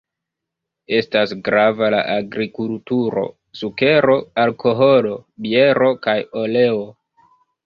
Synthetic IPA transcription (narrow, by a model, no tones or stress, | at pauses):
e̞stasɡɾavala̰ʔaɡɾikultuɾo̞̰ | suke̞ɾo̞alkʰo̞ɦo̞lo̞bie̞ɾo̞kajo̞le̞o̞